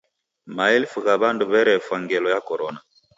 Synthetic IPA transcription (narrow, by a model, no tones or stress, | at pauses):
maɛlfuɣaβanduβɛɾɛfwaŋɡɛlɔjakɔɾɔna